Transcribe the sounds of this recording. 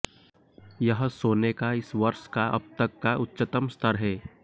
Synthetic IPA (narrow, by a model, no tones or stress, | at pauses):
jəɦsoːnekaɪsʋɐɾʃkaʔɐ̰b̚t̪əkːaʔʊtːʃət̪əmst̪ʰəɾɦɛː